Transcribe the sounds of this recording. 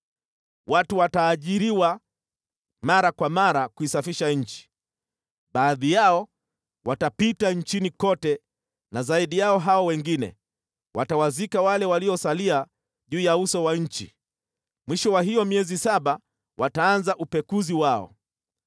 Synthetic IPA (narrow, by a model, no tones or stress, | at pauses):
watuwataːʄiɾiwa | maɾakwamaɾakuisafiʃaɲ̩t͡ʃi̥ | ɓaːðijaɔ | watapitaɲ̩t͡ʃinikɔtɛ | nazaiɗijaɔɦaɔwɛŋɡinɛ̰ | watawazikawalɛwaliɔsalia | ʄuːjausɔwaɲ̩t͡ʃḭ | mwiʃɔwaɦijɔmiɛzisaɓa | wʔataanzaʔupɛkuziwaɔ̰